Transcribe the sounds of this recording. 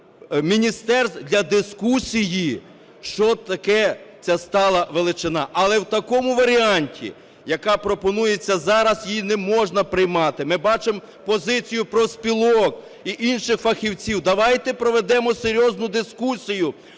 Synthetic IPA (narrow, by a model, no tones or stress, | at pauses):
mʲinʲist̪ɛrsd̪lʲɐd̪ɪskusʲiji | ʃt͡ʃɔt̪ɐkɛt͡sʲast̪ɑlˠɐʋelˠɪt͡ʃɪnɑʔɐlˠɛwt̪ɐkɔmʊʋɐɾʲiɑnʲtʲḭ | jɐkɑpɾɔpɔnujet͡sʲːɐzɑɾɐzjinɛmɔʒnɐpɾɪjmɑt̪ɪmɪbɑt͡ʃem | pɔzɪt͡sʲijʊpɾɔspʲilˠɔk | iʔinʃɪxfɐxʲiwt͡sʲiwd̪ɐʋɑjt̪ɛpɾɔʋed̪ɛmɔseɾʲjɔznʊd̪ɪskusʲijʊ